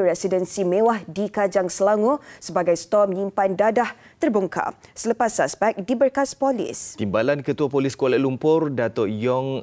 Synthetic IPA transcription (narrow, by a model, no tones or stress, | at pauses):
ɾɛsidənsimẽwahdikad͡ʒaŋsəlaŋosəbaɡajst̪ɔmɲimpandadah | t̪ərbuŋkʰa̰sələpasaspɛk̚dibərkaspɔlḭst̪imbalankət̪uapoliskualalumpʊrdat̪ɔjɔŋ